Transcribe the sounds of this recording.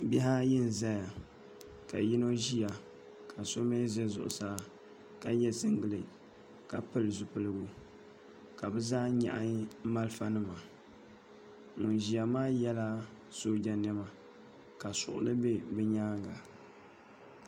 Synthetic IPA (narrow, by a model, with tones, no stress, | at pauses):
bi˦ɦa˦jɪ˦n˨za˦ja˨ | ka˨ji˦no˦ʒi˦ja˨ | kʰa˨so˦me˦zɛ˦zʊ̰˨ʔʊ̰˨saː˦ | ka˦jɛ˦sɨ˦ŋɡɨ˨lɨ˨ | ka˨pɨ˦lɨ˨zʊ˨pɨ˦lɨ˦ɡʊ˦ | ka˨bɛ˦zaː˦ɲa̰˦ʔa˦ma˦lfa˦nɨ˦ma˨ | ŋʊ˨nʒi˨ja˨maː˦jɛ˦la˦ | so˦d͡ʒa˨nɛ˦ma˨ | ka˨sʊ̰˨ʔʊ̰˨˦lɨ˦be˦bɨ˦ɲaː˦ɡa˨